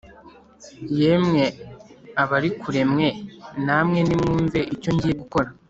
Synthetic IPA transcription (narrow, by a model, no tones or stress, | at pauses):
je̞mŋe̞ | aβaɾikʰuɾe̞mŋe̞namŋe̞nimuːɱve̞ʔico̞ɲɟijeɡuko̞ɾa